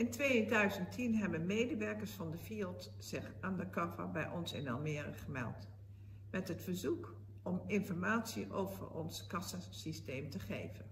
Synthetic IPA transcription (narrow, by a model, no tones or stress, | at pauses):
ɪntʋejdœɥzəntʰinɦɛbənmejdəʋɛɹkəɹsfɑndəviːlˠt | zɪχaːndəkɑva̰bɛjʔɔnsɪ̰nɑ̰lˠmɪːrə̰χəmɛ̰lˠt | mɛtɦətfəɹzuk | ɔmɪnfɔɹmaːtsiʔo̰wv̥ə̰ɹɔ̰nskɑsasistejmtəχejvən